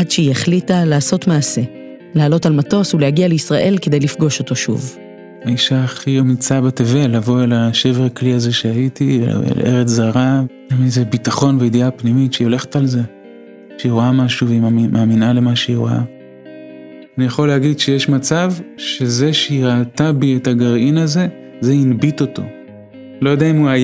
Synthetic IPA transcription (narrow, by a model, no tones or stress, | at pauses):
adʃeieχlitalaːso̞tmaːse̞ | lealo̞talmato̞sulehaɡialeisʁaʔe̞lke̞de̞jlifɡo̞ʃo̞to̞ʃṵv | aiʃaːχiamit͡sabateve̞lavo̞elaʃe̞veʁakliaze̞ʃeajitiḛḛlʔeʁet͡szaʁa | aminzebitaχo̞nveid̪iapnimitʃeio̞le̞χe̥talze | ʃeiʁoamaʃuveimʔaːminale̞maʃeiʁoa | anijaχo̞leaɡid̪ʃe̞jeʃmat͡savʃe̞ze̞ʃeiʁaːtabietaɡaʁinaze̞ | ze̞inbito̞to̞̰ | lo̞jodeaimuaj